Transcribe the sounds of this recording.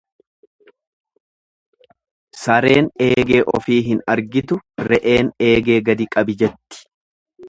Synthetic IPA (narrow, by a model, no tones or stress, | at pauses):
sɐɾe̞ːne̞ːɡe̞ːʔɔfiːɦɪnɐɾɡɪt̪ʊɾɛʔe̞ːne̞ːɡe̞ːɡɐd̪ɪkʼɐbɪd͡ʒɛt̪ːɪ̥